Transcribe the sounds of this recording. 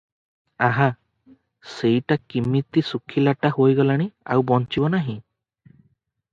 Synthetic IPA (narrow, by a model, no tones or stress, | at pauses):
aɦa | sejʈakimːit̪isukʰilaʈahojɡɔlaɽ̃ia̰wbɔnt͡ʃibɔnaɦĩ